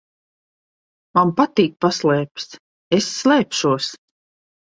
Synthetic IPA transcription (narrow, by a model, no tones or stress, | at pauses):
mampat̪iːk̚paslˠɛːps | esːlˠɛːpʃuɔs